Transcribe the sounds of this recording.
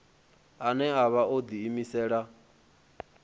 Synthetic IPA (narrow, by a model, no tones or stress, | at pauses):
anɛaβaod̪iːmisɛːɺa